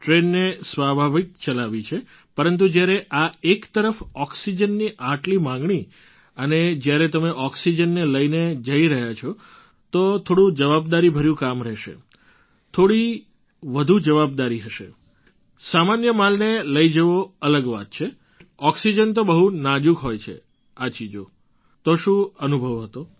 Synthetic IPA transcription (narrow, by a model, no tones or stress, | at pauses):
ʈɾenːesʋabʱaʋik̚t͡ʃəlaʋit͡ʃʰe | pəɾənt̪̬ud͡ʒjaɾeʔaekt̪əɾəfɔksid͡ʒənːiʔaʈlimãŋɡɳ̃i | əned͡ʒjaɾet̪əmeʔɔksid͡ʒənːeləined͡ʒəiɾəɦjat͡ʃʰɔ | t̪ot̪ʰoɽũd͡ʒəʋabd̪aɾibʱəɾjũkamɾɛʃḛ | t̪ʰoɽi | ʋəd̪ʱud͡ʒəʋab̚d̪aɾiɦəʃḛ | samanjəmalneləid͡ʒəʋoələɡʋa̰t̪̚t͡ʃʰe | ɔksid͡ʒənt̪̬obəɦunad͡ʒukɦojt͡ʃʰḛ | at͡ʃid͡ʒo | t̪oʃũənubʱəʋɦət̪o